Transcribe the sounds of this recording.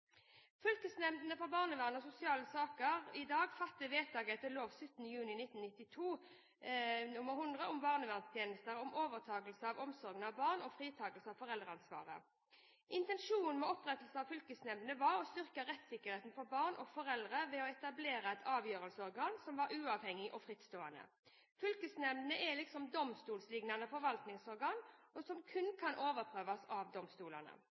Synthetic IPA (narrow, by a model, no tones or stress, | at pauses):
fʏlkəsnɛmd̪nəfɔʁbɑːʁnəʋæːʁnəɔsʊsɪɑːləsɑːkəʁɪd̪ɑːɡfɑt̪ːəʋeːt̪ʰɑːɡɛt̪əloːʋsʉt̪ːən̩əjʉːnɪnɪt̪ːnnɪt̪ːɪt̪ʰuː | nʊməʁɦʊnd̪ʁəɔmbɑːʁnəʋæʁnst̪ʰjeːnəst̪əʁɔmʔoːʋəʁt̪ʰɑːɡəlsəɑːʋɔmsɔʁɡnɑʋbɑːʁnɔfʁiːt̪ʰɑːɡəlsəɑʋfɔʁɛld̪ʁəɑnsʋɑ̰ːʁə̰ | ʔɪnt̪ɛnʂuːn̩mɛɔpʁɛt̪lsəɑʋfʏlkəsnɛmənəʋɑʁɔst̪ʏʁkəʁɛt̪sɪkːəʁheːt̪nfɔɾbɑːʁnʔɔfɔʁɛld̪ʁəʋɛɔɛt̪ɑbleːɾəɛt̪ʰɑːʋjøːʁəlsəɔʁɡɑːnsɔmʋɑɾʉːɑːʋhɛŋːɪʔɔfʁɪt̪st̪oːɑnə̰ | fʏlkəsnɛmnəʔɛlɪksɔmd̪ɔmst̪uːlslɪɡnɑnəfɔɾʋɑlt̪nɪŋsɔʁɡɑːnɔsɔmkʰʉnkʰɑnʔoːʋəʁpʰʁøːʋɑsɑʋd̪ɔmst̪uːlənə̰